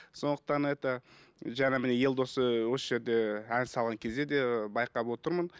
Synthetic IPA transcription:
so̞nd̪ə̥q̚t̪ɑnet̪əʒæɑmɪne̞je̞lʲˠd̪o̞səwosəʒe̞ɾd̪e̞ænsɑlˠʁɑŋkʲʰe̞zd̪e̞d̪e̞bɑjqɑpwo̞t̪əɾmən

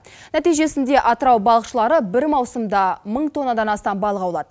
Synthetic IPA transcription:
næt̪ijʒe̞sɪnd̪e̞ʔɑt̪əɾɑwbɑlˠəqʃəlˠɑɾəbɪɾmɑwsəmd̪ɑməɴt̪ʰo̞nːɑd̪ɑnɑst̪ɑmbɑlˠəʁɑwlˠɑd̪ə

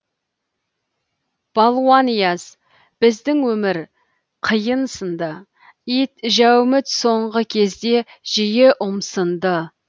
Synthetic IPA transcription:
b̥ɑlˠuwɑnijɑz | b̥ɪzd̪ɪŋwɵmɪɾ | qʰəjənsənd̪ə | it̪ʒæwmɪt̪so̞ɴʁəkʲʰe̞zd̪e̞ | ʒ̥ijeʔʊmsənd̪ə

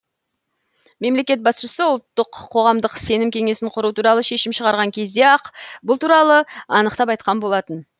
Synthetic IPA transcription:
me̞mle̞kʲe̞t̪̚bɑsʃəsəʊlˠt̪ːəqʰːo̞ʁɑmd̪əqse̞nɪmkʲʰe̞ŋe̞sɪɴqʰʊɾut̪uɾɑlˠəʃe̞ʃɪmʃəʁɑɾʁɑŋkʲʰe̞zd̪e̞ɑqbʊlˠt̪ʰuɾɑlˠəɑnəqt̪ɑpɑjt̪̚qɑnbo̞lˠɑt̪ən

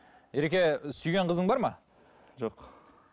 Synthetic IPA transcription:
jeɾekʲe̞sʏyjɡʲe̞ɴqʰəzəɴŋbɑɾmɑ | ʒoq

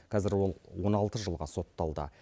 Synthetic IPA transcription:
qʰɑzɪɾwolˠwo̞nɑlˠt̪əʒəlˠʁɑso̞t̪ːɑlˠd̪ə̰

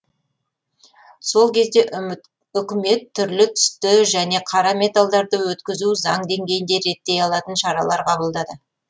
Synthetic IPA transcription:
so̞lˠkʲʰe̞zd̪e̞ʔ | ʏkʲɪme̞t̪ʰːʏɾlɪt̪ʰʏ̥st̪ɪʒæne̞qʰɑɾɑmʲe̞t̪alˠd̪ɑɾd̪əwɵt̪kʲɪzuzɑɴd̪e̞ŋɡʲe̞jɪnd̪e̞ɾe̞t̪ːe̞jɑlˠɑt̪ənʃɑɾɑlˠɑɾqʰɑbəlˠd̪ɑd̪ə

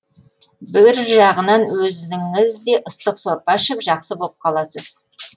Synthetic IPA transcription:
bɪɾʒɑʁənɑnwɵzɪŋɪzd̪e̞ʔəst̪əqsoɾpɑʃɪpʒɑqsəbo̞lˠəp̚qʰɑlˠɑsəz̥

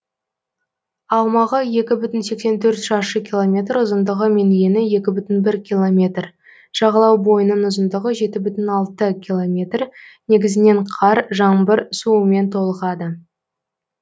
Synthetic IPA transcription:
ɑwmɑʁəje̞kʲɪbʏt̪ɪnsekse̞nt̪ʰɵɾt̪ʃɑʃəkʲilˠomʲe̞t̪ɾʊzənd̪əʁəme̞nje̞nɪje̞kʲɪbʏt̪ɪnbɪɾkʲʰilˠo̞mʲe̞t̪r | ʒ̥ɑʁɑlˠɑwbo̞jənənʊzənd̪əʁəʒe̞t̪ɪbʏt̪ɪnɑlˠt̪əkʲʰilˠo̞mʲe̞t̪rne̞ɡʲɪzɪne̞ɴqʰɑɾʒɑɴbəɾsume̞nt̪ʰo̞lˠəʁɑd̪ə

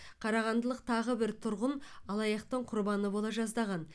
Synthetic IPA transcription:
qʰɑɾɑʁɑnd̪əlˠəq̚t̪ʰɑʁəbɪɾt̪ʰʊɾʁənɑlˠɑjɑqt̪əɴqʰʊɾbɑnəbolˠɑʒɑzd̪ɑʁɑn

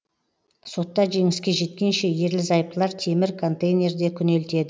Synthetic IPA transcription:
so̞t̪ːɑʒe̞ŋɪskʲe̞ʒe̞t̪̚kʲe̞nʃe̞je̞ɾlɪzɑjp̚t̪lˠɑɾt̪ʰe̞mɪɾkʰo̞nt̪ejnʲe̞ɾd̪e̞kʲʰʏne̞lt̪e̞d̪ɪ

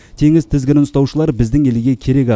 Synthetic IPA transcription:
t̪ʰe̞ŋɪzt̪ʰɪzɡʲɪɾɪnst̪ɑwʃəlˠɑɾbɪzd̪ɪŋe̞lɪɡʲe̞kʲʰe̞ɾe̞kʲɑ

